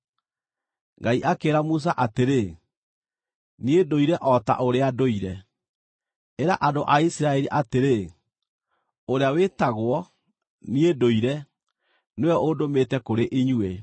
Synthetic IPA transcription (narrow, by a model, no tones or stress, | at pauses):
ŋɡaiʔakeːɾamus̬aʔateɾe | niedoiɾɛʔɔta̰ʔoɾeadoiɾɛ | eɾa̰ʔadoʔaisiɾaɛɾiʔateɾe | oɾeawetaɣwɔ | niedoiɾɛ | neɔʔodometɛkoɾeʔiɲwe